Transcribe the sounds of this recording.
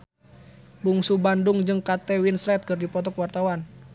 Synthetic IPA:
buŋsubandʊŋd͡ʒɨŋkat̪ɛwinslɛt̪̚kɨrdipɔt̪ɔkwart̪awan

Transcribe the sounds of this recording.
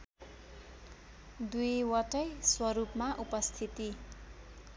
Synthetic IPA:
d̪ujwʌʈʌjswʌɾupmaʔupʌst̪ʰit̪i

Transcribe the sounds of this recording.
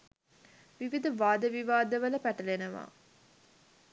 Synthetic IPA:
ʋiʋid̪uʋaːd̪əʋiʋaːd̪əʋələpæʈəlenəʋa̰ː

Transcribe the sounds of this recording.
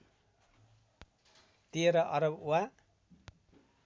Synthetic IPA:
t̪ieɾʌʔʌɾʌbuwa

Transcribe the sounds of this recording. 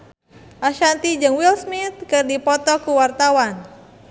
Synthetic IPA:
ʔaʃant̪id͡ʒɨŋwilsmit̪̚kɨrdipɔt̪ɔkuwart̪awan

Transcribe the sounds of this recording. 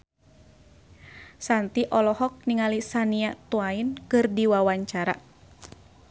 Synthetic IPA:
sant̪iʔɔlɔhɔk̚niŋalisaniaʔt̪uainkɨrdiwawaɲt͡ʃaɾa̰

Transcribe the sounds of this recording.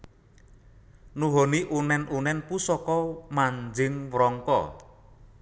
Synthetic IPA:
nuɦoniʔunɛnunɛnpusɔkɔmaɲd͡ʒɪŋwɾɔŋkɔ̰

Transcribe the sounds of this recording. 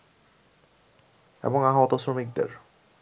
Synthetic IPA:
ḛboŋaɦaɔt̪osɾomik̚d̪ḛɾ

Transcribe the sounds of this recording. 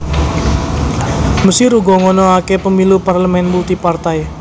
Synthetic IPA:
məsɪɾuɡɔŋɔnɔakepəmiluparləmɛnbut̪ipart̪aj

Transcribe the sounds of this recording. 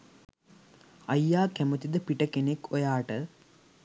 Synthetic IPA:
ɐjːaːkæmət̪id̪əpiʈəkenekojaːʈə

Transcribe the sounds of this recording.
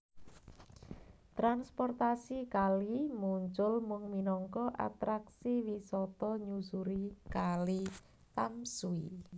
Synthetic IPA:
t̪ɾanspɔrt̪asikalimuɲt͡ʃʊlmʊŋminɔŋkɔʔa̰t̪ɾaksiwisɔt̪ɔɲusuɾikali | t̪amsui

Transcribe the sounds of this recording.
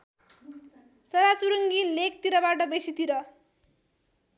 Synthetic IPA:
sʌɾat͡suɾuŋɡilek̚t̪iɾʌbaʈʌbesit̪iɾʌ

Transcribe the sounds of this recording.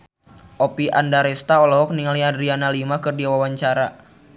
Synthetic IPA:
ʔopiʔandaɾɛst̪aɔlɔɦɔk̚niŋaliadɾianalimakɨrdiawawaɲt͡ʃaɾa

